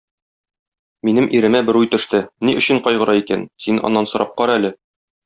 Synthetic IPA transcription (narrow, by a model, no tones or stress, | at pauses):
minɘmʔiɾɘ̆mæbɘɾujt̪ɵ̆ʃt̪ɘniʔɵ̆ɕɘ̆ɴqɒjʁɤ̆ɾɑikænsinɒ̰nːɑnsŏɾɑp̚qɒɾælɘ